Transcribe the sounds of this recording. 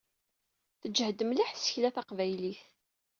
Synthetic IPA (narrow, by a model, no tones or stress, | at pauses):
θəd͡ʒːhd̪əmliħsə̥çlæθɑqvæjliθ